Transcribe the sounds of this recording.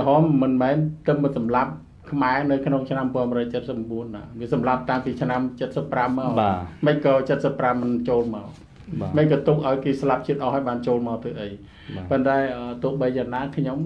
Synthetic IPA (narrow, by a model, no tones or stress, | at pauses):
ɦɑːmːɨnmɛːnt̪ɨpmɨnsɑmlap̚ | kʰmaɛnɨwkʰnoŋt͡ɕʰnampɔ̆ənrɔːjt͡ɕət̪̚səp̚ːɓuənɗaʋiəsɑmlap̚t̪aŋpiːt͡ɕʰnamt͡ɕət̪̚səpːramːaɔaməc̚kɑːt͡ɕət̪̚səpːramːɨnt͡ɕoːlmaɔ | məc̚kɑːt̪uk̚ʔaɔjkeːslap̚t͡ɕiət̪̚ʔɑhɦaɔjɓaːnt͡ɕoːlmaɔt̪ʰəəʔəj | pont̪aɛʔət̪ʊəhɓəjjaːŋnaːkʰɲom